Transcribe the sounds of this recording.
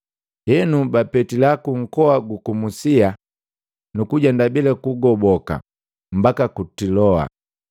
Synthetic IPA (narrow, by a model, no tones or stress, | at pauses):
hɛnubapɛtilakuŋ̩kɔaɡukumusia | nukuɟandabilɛkuɡɔbɔka̰ | m̩bakakutilɔa̰